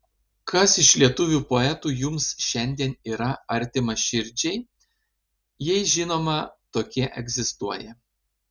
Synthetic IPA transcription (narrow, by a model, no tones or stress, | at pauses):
kʰɐsɪʃlʲiɛt̪ʊʋʲuːpoɛt̪uːjʊmsʃʲɛnʲd̪ʲiɛniːɾɐɐɾʲt̪ʲɪmɐʃʲɪɾʲˑd͡ʒʲɛɪ | jɛɪʒʲɪnoːmɐt̪oːkʲiɛʔɛ̰ɡʲzʲɪst̪uɔjɛ